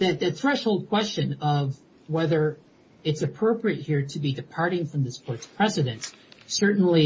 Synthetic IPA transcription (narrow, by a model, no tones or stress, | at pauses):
ðɨt̪̚ðɨt̪θɹɛʃhoʊlˠd̚kʰw̥ɛst͡ʃɨ̃nʌv | wɛðə˞ | ɨtsɨpʰɹ̥oʊpɹiɨt̚hiɹɾɨbidɨpʰɑɹɾɪ̃ŋfɹʌ̃mðɪskʰɔɹtspʰɹ̥ɛsɨɾɨ̃nssɜ˞ʔn̩li